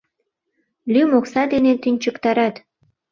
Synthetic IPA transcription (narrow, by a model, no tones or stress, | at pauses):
lymoksɑd̪enet̪ynʲt͡ɕə̆kt̪ɑɾɑt̪